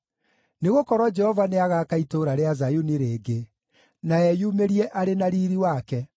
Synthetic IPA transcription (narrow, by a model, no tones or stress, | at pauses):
neɣokɔɾwɔd͡ʒɛhɔvaneaɣakaitoːɾaɾeazajuniɾeːɡe | naɛjumeɾiɛʔaɾenaɾiɾiwaːkɛ